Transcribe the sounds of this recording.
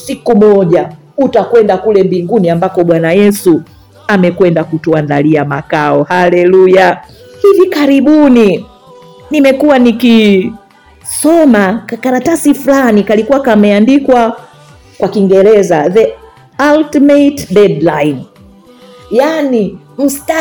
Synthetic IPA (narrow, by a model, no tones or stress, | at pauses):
sikumɔʄa | utakwɛndakulɛmbiŋɡuniambakɔɓwanajɛsu | amɛkwɛndakutuandaliamakaɔhalɛluja | hivikaɾiɓuni | nimɛkuwaniki | sɔmakaɾatasifulanikalikuwakamɛandikwa | kwakiŋɡɛɾɛzaðɛ | altimɛtɗɛdlain | jani | m̩sta